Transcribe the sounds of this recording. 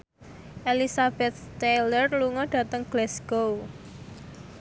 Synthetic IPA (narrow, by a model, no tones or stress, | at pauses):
ʔelisab̥ɛt̪̚st̪elərluŋɔɖ̥ä̤t̪əŋɡ̥lɛsɡ̥ow